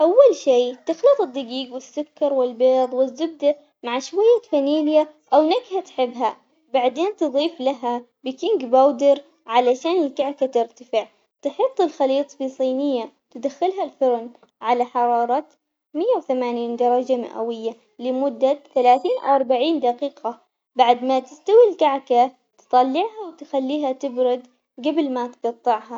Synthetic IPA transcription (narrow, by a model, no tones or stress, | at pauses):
ʔawːalʃiːt̪ɪxlɨt̪ˤɨd̪ːaɡiːɡwɪsːʊkːɑɾˤwɪlbeːðˤwɪzːʊb̚d̪a | maʕʃwajːafaniːljaʔawnaɡhat̪ħɪbːɦa | baʕd̪eːnt̪ɨðˤiːflaɦa | bɪkɪŋɡbaːwd̪ɪɾ | ʕalaʃaːnɪlkaʕkat̪ɪɾt̪ḁfɪʕ | t̪ɪħɑt̪ˤːɪlxɑliːt̪ˤfisˤiːnɪjːa | t̪ɪd̪axɪlɦalfʊɾn | ʕalaħɑɾˤɑːɾˤɑt̪ | mɪjːawθamaːniːnd̪ɑɾˤɑd͡ʒamɪ̰ʔa̰wɪjːa | lɪmʊd̪ːaθalaːθiːnʔʔɑɾˤbaʕiːnd̪aqiːqa | baʕd̪mat̪ɪst̪awilkaʕka | t̪ɨ̥t̪ˤɑlːɪʕhawt̪ɪxalːiːɦat̪ɪbɾʊd̪ | ɡabɪlmat̪ɡɑt̪ˤːɪʕɦɑ